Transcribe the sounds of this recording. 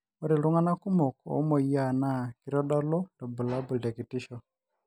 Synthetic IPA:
o˦ɾe˨lʊ˦ŋa˦na˦ku˦mɔ˨kɔ̰˨˦mɔ˨ja˨na˦ki˦ɾɔ˦ɗɔ˦lɔ˦dɔ˨bu˨la˦bu˨ldɛ˨ki˨ti˦ʃɔ˨

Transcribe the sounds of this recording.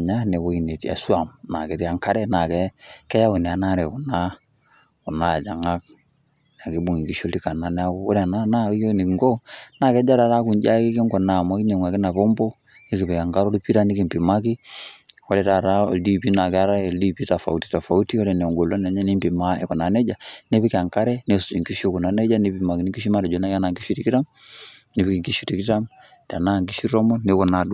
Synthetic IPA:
ɲa˦nɛ˨kɔ˦i˨ne˨ti˨a̰˨su˦a˨mna˨kɛ˨˦ɾi˦a˦ŋka˦ɾɛ˦na˨kɛ˦kɛ˦ja˦u˨nɛ˨a˨na˦ɾɛ˨ku˨na˦ | ku˨na˦˨d͡ʒa˨ŋa˦k̚ | na˨ke˨˦bu˨ŋi˨ŋɡi˨˦ʃo˦lti˦ka˨na˨nɛ˦a˦ku˦ɔ˦ɾɛ˦˨a˨na˦na˦˨i˦jni˨kŋɡo˦na˨kɛ˦d͡ʒa˦ɾa˨ɾa˦ku˨ɲd͡ʒa˦ki˦ki˦ŋɡɔ˨na˨mɔ˦ki˦ɲe˨ŋʷa˨kɪ˦na˨pɔ˦mbo˦ | e˦ki˨bɛ˨ja˨ŋɡa˦ɾo˦li˦pi˦ɾa˦ni˦ki˨mpi˨ma˦ki˦ | ɔ˦lɛ˨ɾa˨ɾa˦ɔ̰˨di˦pi˦na˨ka˦ɾa˦ɛ˨ldi˦pi˦ta˨fa̰˨u˨ti̥˨ta˨fa˨u˦ti˦ɔ˦ɾɛ˨nɛ˨ɔ˨ŋɡɔ˨lɔ˦nɛ˨ɲɛ˦ni˦mpi˨ma˦ɛ̰˨kɔ˨na˨nɛ˦d͡ʒa˨ne˦βi˦ka˨ŋka˦ɾɛ˦ne˨su̥˨t͡ʃi˨ŋki˦ʃu˦ku˨na˨nɛ˦d͡ʒa˦ni˨˦pi˨ma˨ki˨ni˦ki˦ʃ̬i˦ma˦ɾɛ˨d͡ʒɔ˨˦na˦ka˦na˨ŋɡi˦ʃi˦ɾi˦ki˦ɾa˦m | ni˨βi˦ki˨ŋki˦ʃu˦ti˨ki˦ta˦m | da˨na˦˨ŋɡi˦ʃi˦ɾɔ˦mɔ˦ni˨˦kɔ˨na˨du˨˦

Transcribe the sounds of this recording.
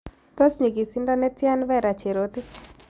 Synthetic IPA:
t̪ɔ˦sɲi˨ɡi˨sɪ˦nda˦nɛ˦tja˦nvɛ˦˨ɾa˨t͡ʃe˨ɾot̪ɪ˦t͡ʃ

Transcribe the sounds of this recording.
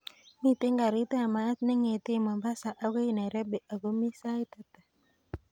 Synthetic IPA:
mi˦˨t̪e˦ŋɡa˨ɾi˦t̪a˦˨ma˨˦ne˦ŋe˨t̪ɪ˦˨ma˨mba˦sa˨ʔa˦ɡe˦˨na˨ɾɛ˦be˨ʔa˨ɡo˦mi˦sa˦i˦t̪a˦t̪ḁ˨

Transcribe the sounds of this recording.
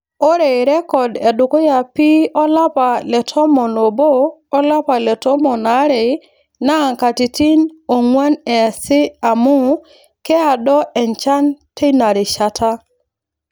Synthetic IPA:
o˦ɾe˨ɾɛ˦kɔ˨dɛ˨dʊ˨ko˦ja˨pi˦ɔ˦la˦pa˨lɛ˨tʰɔ˦mɔ˨no˨bo˦ɔ˦la˦pa˨lɛ˨tɔ˦mɔ˨na˦ɾɪ˨ | na˦˨ŋka˨ti˨ti˦no˨ŋwa˦nɛ˨sɪ˦a˨mʊ˦ | kɛ˦a˨dɔ˦ʔɛ˨nt͡ʃa˦ntʰe˦na˨ɾɪ˨ʃa˨tʰa˦

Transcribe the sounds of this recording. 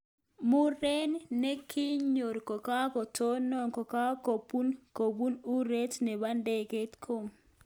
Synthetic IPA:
mu˦ɾe˦nːe˦kʰi˦ɲɲo˨ɾko˨ka˦ko˨to˦nːɔ˨ŋko˨ka˦ko˨pu˦nko˨bu˦nu˦ɾe˦tnɛ˨ba˦nde˦˨ke˦tkʰo˦˨ŋ

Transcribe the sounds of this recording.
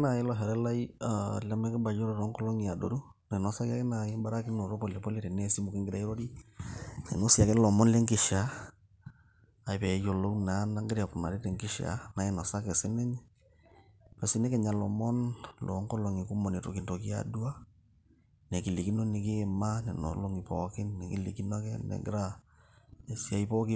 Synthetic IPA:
na˨ɪ˦lɔ˨ɦɛ˨ɾɛ˦la˦iala˦mɛ˦kɪ˦ba˨jɔ˦ɾɔ˦ɾɔ˨˦ŋkɔ˦lo˦ŋi˨a˨do˨ɾu˦ | na˨nɔ˨sa˦ka˦ke˦na˨ji˦ba˦ɾa˦ki˦no˨ɾo˦pɔ˨lɛ˨pɔ˦le˦ɾɛ˨ne˦si˦mo˨ki˦ŋɡɪ˦ɾa˦i˦ɾo˦ɾi˦ | nḛ˨no˦si˨a˨kɛ˦lɔ˨mɔ˦nle˦ŋkɪ˨ʃa˨˦ | a˨pɛ˨˦jo˨lo˦kna˨˦na˦ŋɡɪ˦ɾja˨pu˨na̰˨ɾi˦tɛ˨ŋkɪ˦ʃa̰˨na˨e˦˨nɔ˨sa˦kɛ˨sɪ˦nɛ˦ɲ | pɔ˨si˦ne˦kɛ˨ɲa˨lɔ˨mɔ˦nlʔɔ̰˨˦ŋkɔ˦lo˨ŋi˨ku˦mo˨ne˨to̰˨ki˨nto˨ki˦a̰du˦a˦ | ne˨ki˨li˨ki˦no˦nɪ˨kɪ˦˨ma˦nɛ˨no̰˨lo˦ŋi˨pɔ˨kɪ˦nnɛ˨ki˦lḭ˨ki˦na˦kɛ˦nɛ̰˨ɡɪ̰˦ɾa˦ | ne˨sja˦i˦pɔ˦ki˦

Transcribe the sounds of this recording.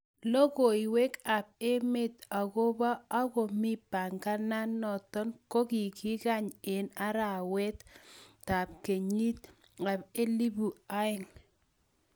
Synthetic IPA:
lɔ˦ko˨i˨we˦ka˨p̚e˦me˦t̪a˨ɣo˦ba˦a˦ɣɔ˨mɪ˦pa˨ŋɡa˦na˦nːɔ˨t̪ɔ˦nko˦ki˨ki˦ka˦ɲe˨na˦ɾa˨wɛ˦tta˨p̚ke˨ɲi˦t̪̚ | a˨be˦li˦bu˨a˦ɪ˦˨ŋ

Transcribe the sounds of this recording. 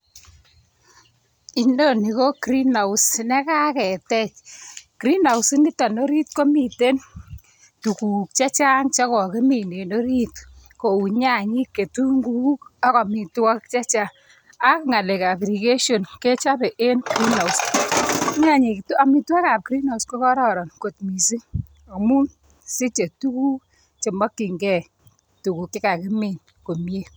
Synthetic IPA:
i˨ndo˦ni˨ko˦kɾi˦na˨u˦snɛ˦ka˦kɛ˨tɛ˦t͡ʃkɾi˦na˨usɪ˦ŋɡɪ˦ta˨no˦ɾi˦tko˦mi˨te˦n | tu˨ku˨k̚t͡ʃa˦t͡ʃa˦ŋt͡ʃa˦kɔ˨ke˦mi˨ne˨no˦ɾi˦t | ko˨u˨ɲa˦˨ɲi˦kːe˨tu˦ŋɡu˦ka˦kɔ˨mi˨twa˦kt͡ʃa˦t͡ʃa˦ | a˦kŋa˨le˨ka˨bɾi˨ke˦ʃo˨nke˦t͡ʃa˦bɛ˨ʔe˦nkɾi˦na˨us | ɲa˦ɲi˨kta˨mi˨twɔ˦ka˨p̚kɾi˦na˨usko˦kɔ˦ɾɔ˨ɾɔ˨nko˨tmi˨si˦ | o˨mu˦n | si˦t͡ʃe˨tu˦ku˦ | t͡ʃe˨mɔ˦kːi˨ŋɡɛ˦˨ | tu˨ku˨kːɪ˦ka˨kɪ˦mi˨n | ko˨mje˦

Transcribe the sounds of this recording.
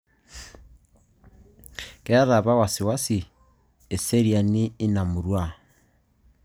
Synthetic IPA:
kɛ˦a˦ɾa˨βa˦wa˨si˨wa˦si˨ | e˨se˦ɾia˨niː˦na˨mu˨ɾwa˦˨

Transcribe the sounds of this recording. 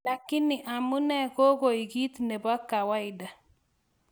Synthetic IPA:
la˨kɪ˦nɪ˨ʔa˨mu˦nɛ˦ko˦ko˨i˨ɡi˦t̪ne˨ba˦kːa˨wa˦ɪ˨da˨

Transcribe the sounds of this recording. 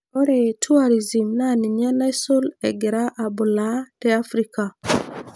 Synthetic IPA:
o˦ɾe˨tʰu˦a˦˨ɾi˨zi˨mna˦nɪ˨ɲa˦na˦i˦so˦lɛ̰˨ɡɪ˨ɾa˦ʔa˨bʊ˨la˦tɛ˦a˦fɾi˦ka˨

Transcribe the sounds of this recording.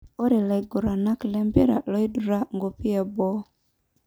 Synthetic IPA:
o˦ɾe˨la˨i˨ɡo˨ɾa˨na˦klɛ˦mbe˦ɾa̰˨lɔ˦i˦du˨ɾa˦ŋɡo˨pi˦ɛ˨bɔ˦

